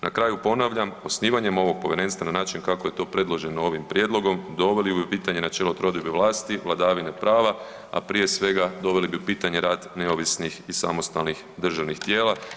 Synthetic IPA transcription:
nakɾaːjupo̞naʋʎamo̞sniːʋaɲe̞mo̞ʋo̞ɡ̚po̞ʋe̞ɾe̞nst̪ʋananaːt͡ʃinkakoje̞t̪o̞ːpɾe̞d̪lˠo̞ʒe̞noo̞ʋimpɾje̞d̪lˠo̞ɡo̞md̪o̞ʋe̞liubipiːt̪aɲe̞nat͡ʃelo̞t̪ɾo̞d̪ibeʋlˠaːst̪iʋlˠad̪aːʋine̞pɾaːʋa | a̰pɾije̞sʋe̞ɡad̪o̞ʋe̞libiupiːt̪aɲe̞ɾaːd̪ne̞o̞ʋisnixisa̰mo̞st̪alnix | d̪r̩ʒaʋnixt̪jeːlˠa

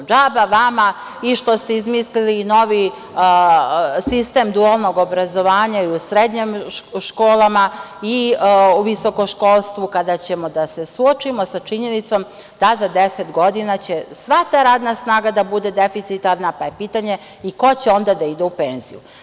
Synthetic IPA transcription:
d͡ʒaːbaʋama | iʃt̪o̞st̪eizmisliliːno̞ʋi | sist̪e̞ːmd̪ualno̞ɡo̞bɾazo̞ʋaːɲaiusɾed̪ɲemʃkoːlˠamaiuʋiso̞koʃko̞lˠst̪ʋukad̪at͡ɕemo̞d̪ase̞suot͡ʃimo̞sat͡ʃiɲe̞nit̪so̞m | d̪̥azad̪eset̪ɡo̞d̪inat͡ɕesʋat̪aːɾaːd̪nasnaːɡad̪abud̪e̞d̪e̞fit̪sit̪aɾnapajepit̪aɲe̞ | iko̞t͡ɕeo̞nd̪ad̪aid̪eupeːnzḭju

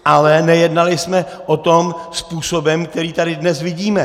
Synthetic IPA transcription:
ʔalɛnɛjɛdnalɪsmɛ | ʔot̪o̞mspuːsobɛmk̚t̪ɛɾiːt̪adɪdnɛsvɪɟiːmɛ

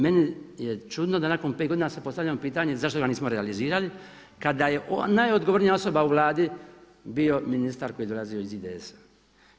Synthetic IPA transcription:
me̞nijet͡ʃud̪no̞d̪anako̞npe̞ːt̪ɡod̪inasepo̞st̪avʎʲamopiːt̪aɲe̞zaʃt̪o̞ɡaniːsmo̞ɾealiziːɾali | kad̪aje̞ʔonajo̞d̪ɡoʋo̞ɾnijao̞so̞bauʋlˠaːd̪i | bio̞minist̪aɾkojed̪o̞lazioizid̪eesḁ

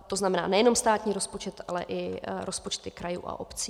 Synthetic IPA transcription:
t̪o̞znamɛna̰ːnɛjɛno̞mst̪aːt̪ɲiːɾospot͡ʃɛt̪ʔalɛ̰ʔɪɾʔospot͡ʃt̪ɪkɾajṵːʔa̰ʔo̰pt͡si

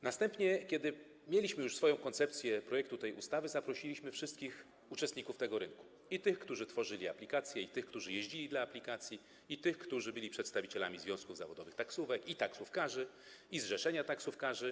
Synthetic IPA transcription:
nast̪ɛmpɲɛkʲɛd̪ɘ | mʲjelʲiɕmɘjuʂsfɔjɔ̃w̃kɔnt̪sɛpt̪sʲjɛpɾɔjɛk̚t̪ut̪ɛjʔust̪avɘzapɾɔɕilʲiɕmɘfʂɘst̪̚kʲix | ut͡ʂɛst̪ɲikuft̪ɛɡɔɾɘŋku̥ | it̪ɘxkt̪uʐɘt̪fɔʐɘlʲia̰plʲikat̪sʲjɛit̪ɘxkt̪uʐɘjeʑd͡ʑilʲid̪laːplʲikat̪sʲji | it̪ɘxkt̪uʐɘbɘlʲipʂɛt̪st̪avʲit͡ɕɛla̰mʲizvʲjɔ̃w̃skuvza̰vɔd̪ɔvɘxt̪aksuvɛkit̪aksufkaʐɘ | izʐɛʂɛɲat̪aksufkaʐɘ

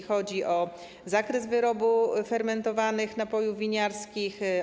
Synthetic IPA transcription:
xɔd͡ʑiʔɔ | zakɾɛzvɘɾɔbufɛɾmɛnt̪ɔvanɘxnapɔjuvʲiɲaɾskʲix

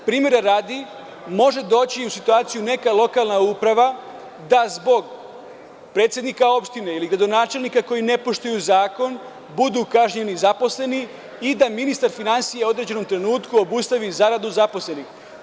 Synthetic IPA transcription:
pɾiːmje̞ɾaɾaːd̪i | mo̞ʒe̞d̪o̞ːt͡ɕiusit̪uaːt̪sijune̞kalˠo̞kalˠnauːpɾaʋa | d̪azbo̞ɡ | pɾe̞ːt̪sʲje̞d̪nikao̞pʃt̪ine̞iliɡɾad̪o̞naːt͡ʃe̞lnikako̞jine̞po̞ʃt̪ujuzaːko̞n | bud̪ukaʒɲe̞nizapo̞sle̞ni | id̪aminist̪aɾfinansijeo̞d̪ɾe̞d͡ʑe̞no̞mt̪ɾe̞nuːt̪kuo̞bust̪aʋizaɾad̪uzapo̞sle̞nix

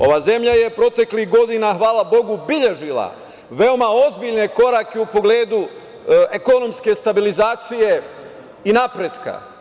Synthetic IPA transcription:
o̞̰ʋaːze̞mʎaje̞pɾo̞t̪e̞klixɡo̞d̪inaxʋaːlˠabo̞ɡubiʎe̞ʒilˠa̰ | ʋe̞o̞mao̞zbiʎne̞ko̞ɾakeupo̞ɡle̞ːd̪u | eko̞no̞mske̞st̪abilizaːt̪sije̞ | inapɾed̪ka̰

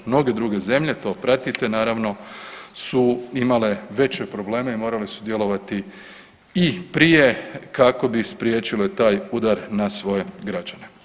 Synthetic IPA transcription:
mno̞ɡe̞d̪ɾuɡe̞ze̞mʎe̞t̪o̞ːpɾat̪it̪e̞naːɾaʋno̞suimale̞ʋe̞t͡ɕepɾo̞ble̞ːmaimo̞ːɾalesud̪je̞lo̞ʋat̪i | ipɾijekako̞bispɾjeːt͡ɕile̞t̪aːjud̪aɾnasʋo̞je̞ɡɾad͡ʒane

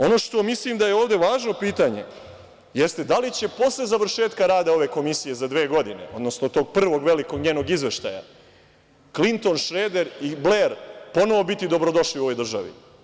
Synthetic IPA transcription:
o̞no̞ʃt̪o̞mislˠimd̪ajeoːʋd̪e̞ʋaːʒno̞piːt̪aɲe̞̰ | je̞st̪e̞d̪alit͡ɕe̞po̞slˠe̞zaʋr̩ʃe̞ːt̪kaɾaːd̪ao̞ʋe̞ko̞misije̞zad̪ʋeːɡo̞d̪ine̞̰o̞d̪no̞snot̪o̞ːɡ̚pr̩ʋo̞ɡʋe̞liko̞ɡɲeːno̞ɡizʋe̞ʃt̪a̰ja̰ | klint̪o̞nʃɾeːd̪e̞ɾibleɾpo̞no̞ʋo̞bit̪id̪o̞bɾod̪o̞ʃliuo̞ʋojd̪r̩ʒaʋḭ

